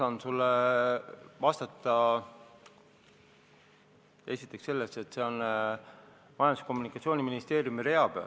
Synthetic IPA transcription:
sɑːnsulːe | vɑst̪ɑt̪ːˑɑ | e̞sʲit̪ˑːe̞kse̞lːeste̞t̪ːse̞o̞n | mɑjɑnd̪ise̥ko̞mːunikːˑɑt̪sʲio̞ːnʲiminist̪e̞ːɾjumiɾe̞ɑb̥ḛ

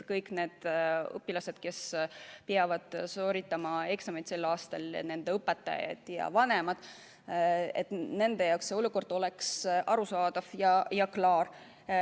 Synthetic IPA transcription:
kɤjkːne̞ːd̪̥ɤ̰pːˑilɑse̞d̪̥̚ke̞speɑvɑd̪̥soːɾit̪ːˑɑmɑe̞ksɑmejt̪se̞lːɑːst̪ɑl̰ne̞nd̪̥e̞ɤpːˑet̪ːˑɑ̰jɑ̰d̪̥jɑ̰vɑne̞mɑd̪̥ | et̪ne̞nd̪̥e̞jɑwkseo̞luko̞rd̪̥o̞leksʔɑɾusɑːd̪̥ɑvjɑjɑklɑːɾ

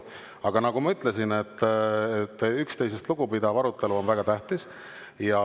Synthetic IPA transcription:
ɑɡ̥ɑnɑɡ̥umɑyt̪ːˑle̞sinet̪ːet̪ːykst̪e̞js̬est̪luɡ̥upid̪ɑvɑɾut̪ˑːe̞luonvæɡ̥ɑt̪æht̪is | jɑ

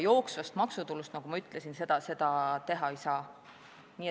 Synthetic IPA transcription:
jo̞ːksvɑst̪mɑksut̪ulːust̪nɑɡ̥umɑyt̪ːˑlesinse̞d̪̥ɑse̞d̪̥ɑt̪e̞ɦɑejsɑː | niː

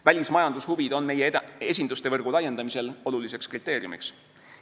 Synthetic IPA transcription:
vælʲismɑjɑnd̪̥ushuvid̪̥o̞nme̞jee̞s̬ʲind̪ust̪e̞vɤrɡ̥ulɑje̞nd̪̥ɑmise̞lo̞lulise̞kskrit̪ːˑe̞ːɾiumḭks

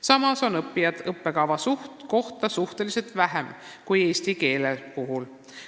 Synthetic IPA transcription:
sɑmɑso̞nɤpːˑijɑd̪̥ɤpːe̞kɑvɑsuht̪ko̞ht̪ɑsuht̪e̞lise̞lt̪væɦem | kuje̞ːsʲt̪ike̞ːlepuɦul

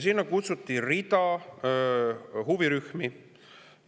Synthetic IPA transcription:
sinːɑkut̪sut̪ːˑirid̪̥ɑ | huviɾyhmi

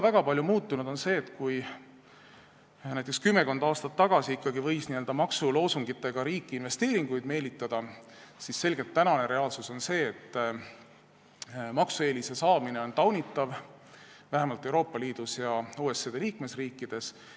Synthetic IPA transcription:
væɡ̥ɑpɑlʲjumuːt̪ːˑunud̪̥o̞nse̞ːt̪ːkuj | næjt̪̬ːˑekskymːe̞ko̞nd̪̥ɑːst̪ɑt̪ːɑɡ̥ɑsiikːɑɡivɤ̞jsniøld̪ɑmɑksulo̞ːsuŋɡ̥it̪ːˑe̞ɡ̥ɑɾiːkːˑiːnve̞st̪eːɾiŋɡ̥ujd̪̥me̞ːlit̪ˑːɑd̪̥ɑ | sisse̞lɡ̥elt̪ːænɑne̞ɾe̞ɑːlsuso̞nse̞ːt̪ːˑ | mɑksue̞ːlise̞sɑːmine̞o̞nt̪ɑwnʲit̪ːˑɑv | væɦemɑlt̪ːˑe̞wɾo̞ːpːˑɑliːd̪̥usjɑuːe̞sed̪̥e̞liːkme̞sriːkːˑid̪̥e̞s

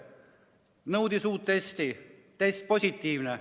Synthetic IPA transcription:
nɤwt̪isuːt̪ːest̪it̪est̪̚posʲit̪ːiːʋne

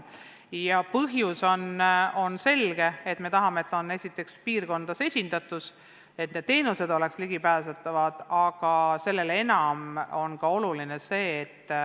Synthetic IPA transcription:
jɑpɤɦjuso̞no̞nse̞lɡ̥e̞e̞t̪me̞t̪ɑɦɑmeet̪ːˑo̞ne̞sʲit̪ːˑe̞kspiːrɡo̞nd̪̥ɑse̞sʲind̪̥ɑt̪ːˑus | e̞t̪ne̞d̪̥ːe̞ːnuse̞d̪̥ole̞ksliɡ̥ipæːsɑt̪ːˑɑvɑd̪̥ɑɡ̥ɑse̞lːe̞le̞nɑmo̞nkɑo̞luline̞se̞ːt̪ː

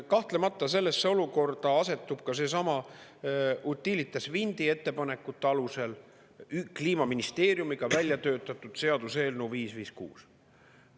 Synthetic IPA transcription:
kɑht̪le̞mɑt̪ˑːɑse̞lːesːeo̞luko̞rd̪̥ɑɑse̞t̪ːˑub̥kɑse̞s̬ɑmɑ | ʔut̪ːˑilit̪ːˑɑsvind̪ie̞t̪ːe̞pɑne̞kːˑut̪ːˑeɑluse̞l | ykliːmɑminist̪e̞ːɾjumiɡ̥ɑvælʲjɑt̪ø̞ːt̪ːˑɑt̪ːˑud̪̥se̞ɑd̪̥use̞ːlnuviːsviːskṵːs

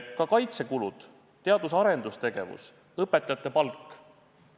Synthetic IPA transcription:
kɑkɑjt̪se̞kulud̪̥ | t̪e̞ɑd̪̥usɑɾe̞nd̪̥ust̪e̞ɡ̥e̞vṵs | ɤpːˑe̞t̪ːˑɑjɑt̪ːˑe̞pɑlkːˑ

